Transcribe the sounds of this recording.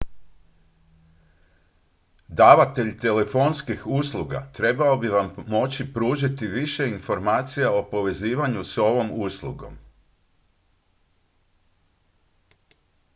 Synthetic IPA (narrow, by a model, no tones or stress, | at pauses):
d̪aːʋat̪e̞ʎt̪e̞le̞fo̞nskixuːslˠuɡa̰t̪ɾe̞baobiʋamːo̞t͡ɕipɾuːʒit̪iʋiʃe̞info̞ɾmaːt̪sijao̞po̞ʋe̞ziːʋaɲuso̞ʋo̞muslˠuɡo̞̰m